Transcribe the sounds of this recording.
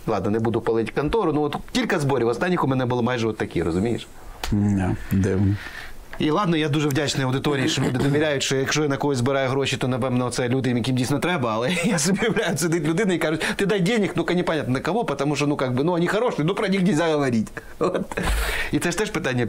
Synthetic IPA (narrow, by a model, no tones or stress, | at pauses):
lˠad̪nɐnɛbud̪ʊpɐlˠɐitʲkɐnt̪oɾʊnuʋot̪tʲilʲkɐzboɾʲɪʋɐst̪anʲɪkʊmʲɛnɛbɨlˠɐmajʐɨʋot̪ːɐkʲijəɾəzʊmʲijɪ̰ʂ | d̪ad̪ɛnə | ilˠad̪nɐjad̪uʐɨvdʲat͡ɕnɐjɐwd̪ɪt̪oɾʲɪɪʂolʲud̪ɨɪd̪ɐʋʲɪɾʲæjʊt̪ʂt̪ojaʂt̪ojanɐkojʲzbɪɾajʊɦɾoɕːɪt̪onɐpɛmnɐt̪sɛlʲud̪ɪmʲɪkʲimʲdʲisʲnɐt̪ɾɛbɐɐlˠɛjasɐbʲɪʋɾajʊt̪sʲɪd̪ɨtʲlʲʊd̪ɪnɨikaʐʊtʲt̪ɨd̪ajdʲenʲɪknukɐnʲipɐnʲat̪nnɐkɐʋopɐt̪ɐmuʂ̬t̪onukaɡ̚bɨnuɐnʲixɐɾoʂɨjənupɾɐnʲixnʲɪlʲzʲaɣɐʋɐɾʲitʲ | ot̪it̪sɛʂt̪ɛʂpɨt̪anʲɪjə